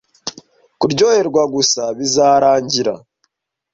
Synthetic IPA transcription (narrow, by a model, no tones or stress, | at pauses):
kuɾɟo̞ːhe̞ɾɡwaɡusaβizaːɾaːɲɟiɾa̰